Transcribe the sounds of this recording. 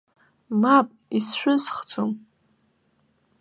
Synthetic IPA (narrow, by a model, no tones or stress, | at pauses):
mapʼisʃʷᶣʊzχd͡zom